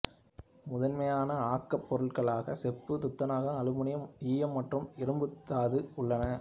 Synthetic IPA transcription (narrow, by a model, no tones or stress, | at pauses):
mʊðɐnmɐjaːnɐaːkːɐpːɔɾɯɭɣɐɭaːɣɐsɛpːɯt̪ʊt̪ːɐnaːɣɐɐlɯmʊɳɪjɐmiːjɐmːɐʈrɯmɪɾɯmbɯt̪ːaːðɯʊɭːɐnɐ